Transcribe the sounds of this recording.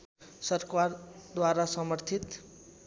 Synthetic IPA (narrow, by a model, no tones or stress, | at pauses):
sʌɾkwaɾd̪waɾasʌmʌɾt̪ʰit̪